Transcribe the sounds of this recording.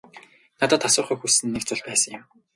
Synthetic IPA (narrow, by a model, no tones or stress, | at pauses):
nat̪ɔːt̪asʊːχœːxusɘ̆nːekt͡sʊɮpæːsə̆ŋjɪ̆m